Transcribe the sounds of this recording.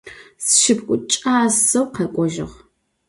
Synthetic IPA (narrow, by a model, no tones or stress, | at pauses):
sʃɪpkʷʼʊt͡ʃʼaːsɐwqɐkʷʼɔʒɪ̰ʁ